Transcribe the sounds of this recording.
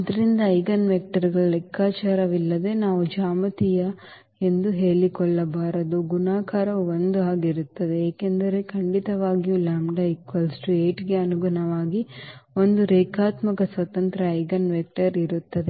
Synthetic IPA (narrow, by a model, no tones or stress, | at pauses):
ɐd̪ɐɾind̪ɐɐjɡɐnʋek̚ʈɐɾɡɐɭɐlɛkʰːaːt͡ʃaːɾɐʋilːɐd̪e̞naːʋud͡ʒaːmɐt̪ijɐ | e̞nd̪uɦe̞ːɭikɔɭːɐbaːɾɐd̪uɡunaːkaːɾɐʋuond̪uaːɡiɾut̪ːɐd̪eeːkend̪ɐɾe̞kʰɐɳɖit̪ɐʋaːɡijulaːmɖɐikʋɐlsʈueːʈɡe̞ɐnuɡɐnɐʋaːɡio̞nd̪uɾeːkʰaːt̪mɐkɐsʋɐt̪ɐnt̪ɾɐɐjɡɐnʋek̚ʈɐɾiɾut̪ːɐd̪e̞